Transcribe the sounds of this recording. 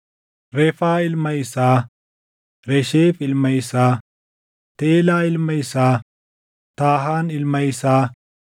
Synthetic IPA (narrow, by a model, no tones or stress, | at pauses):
ɾɛfaːɪlmɐjsaː | ɾɛʃeːfɪlmɐjsaː | t̪eːlaːɪlmɐjsaː | t̪aːɦaːnɪlmɐjsaː